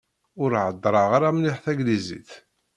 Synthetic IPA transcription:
ʊɾʕəd̪ːɾˤɑʁaɾamnɪħθæɡlizḭθ

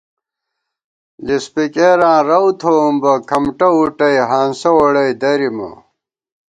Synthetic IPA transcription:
lispikeːɾãːɾɐwt̪ʰoːmbɐkʰɐmʈɐuʈɐjɦaːnsɐwɐɽɐjd̪ɐɾimɐ̰

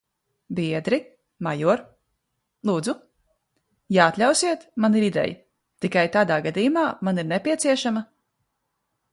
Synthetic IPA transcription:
biɛd̪ɾi | majuɔɾ | lˠuːd̪zu | jaat̪lʲawsiɛt̪maniɾid̪ɛ̰ja̰ | t̪ikajt̪aːd̪aːɡad̪ijumaːmaniɾnɛpʲiɛt̪siɛʃamɐ

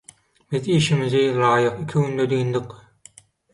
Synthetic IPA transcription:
biziːʃimiziɾɑːjɯqikʲʰiɡynd̪ød̪iːnd̪ɯq

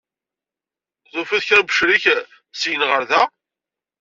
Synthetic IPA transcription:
ðˤofæðçæɾbəʃɾiç | sjənʁəɾðæ

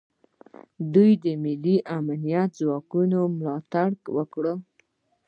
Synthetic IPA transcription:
d̪ujd̪əmɪlːiʔamanijat̪zwɑkunomlɑt̪aɽwəkɽə

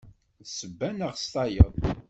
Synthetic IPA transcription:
səbːænəʁst̪ɑjəðˤ

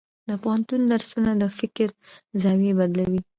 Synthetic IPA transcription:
d̪əpohant̪und̪aɾsunad̪əfɪkɾzawebad̪lawi

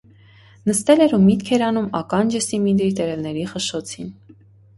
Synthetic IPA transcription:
nəst̪ɛlɛɾumit̪kʰɛɾɑnumɑkɑnd͡ʒəsimid̪ɾit̪ɛɾɛvnɛɾiχəʃɔt͡sʰin

